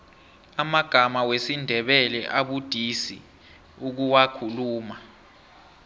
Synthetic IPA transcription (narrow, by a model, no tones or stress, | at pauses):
amaɡ̥ʱamawesindʱɛɓɛlɛʔaɓud̥ʱisḭ | uk̬uwakʰuluːma